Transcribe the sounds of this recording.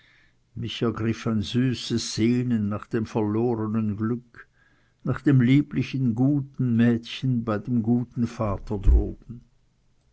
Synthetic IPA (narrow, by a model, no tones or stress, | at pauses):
mɪçɛɐɡʁɪfanzyːsəsz̥eːnəːaːχd̥eːmfɛɐloːʁənənɡlʏk | naːχd̥eːmliːplɪçənɡuːtn̩mɛːtçənbaɪdeːmɡuːtn̩faːtʰɐdʁo̰ːbn̩